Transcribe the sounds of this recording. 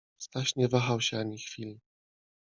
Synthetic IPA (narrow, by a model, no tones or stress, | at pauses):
st̪aɕɲɛvaxawɕɛaɲixfʲilʲ